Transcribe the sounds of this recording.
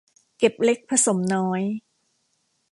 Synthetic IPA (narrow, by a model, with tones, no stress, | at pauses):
ke˨˩p̚le˦˥k̚pʰɾa˧so˩˦mnɔː˦˥j